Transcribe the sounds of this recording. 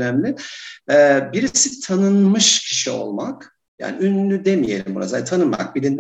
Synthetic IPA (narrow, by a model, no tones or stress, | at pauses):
næmlʲɪɛbiɾisit̪ʰanɯnmɯʃcʰi̥ʃio̞̰lˠmak | ja̰ːniynlʲyd̪e̞mije̞̰lʲimbṵɾa̰zalt̪ʰanɯnma̰k̚bilʲind̪